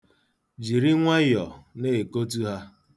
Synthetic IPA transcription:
d͡ʒi˨ɾi˦ŋʷa˦jɔ˨ne˦˨ko˦t̬u˦ɦa˦

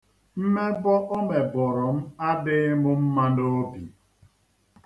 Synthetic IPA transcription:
m̩˦me˦bɔ˦ʔɔ˦me˨bɔ˨ɾɔ˨m̩˦a˦dɪ˦mʊ˦m̩˦ma˦ndo˦o˦bḭ˨

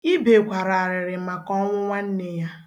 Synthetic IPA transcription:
i˦be˨kʷa˨ɾa˨a˨ɾɪ˨ɾɪ˨ma˨kɔ˦ŋʷʊ˦ŋʷa˦n̩˦ne˦ja˦

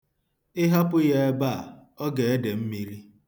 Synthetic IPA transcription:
ɪ˦ɦa˦pʊ˦je˦e˦ba˦a˨ | ɔ˦ɡe˨e˦de˨m̩˦mi˦ɾi˦

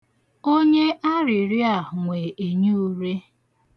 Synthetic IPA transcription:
o˦ɲe˦ʔa˦ɾɪ˨ɾi˦a˨ɦŋʷe˨e˨ɲu˦ɾe˦

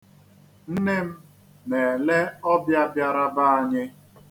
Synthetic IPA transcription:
n̩˦ne˦m̩˦ | ne˨le˦ɔ˦bja˦bja˦ɾa˦ba˦a˨ɲɪ˦

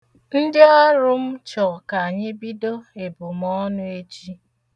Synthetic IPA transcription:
n̩˦dɪ˦ɔ˦ɾʊ˦m̩˦t͡ʃɔ˨ka˨a˨ɲɪ˦bi˦do˦e˨bʊ˨m˦ɔ˦nʊ˦e˦t͡ʃi˦

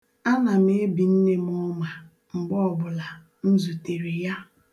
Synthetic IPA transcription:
a˦na˨m˦e˦bi˨n̩˦ne˦m˦ɔ˦ma˨ | ŋ͡m̩˨ɡ͡bɔ˦ɔ˨bʊ˨la˨ | n̩˦zu˨te˨ɾi˨ja˦

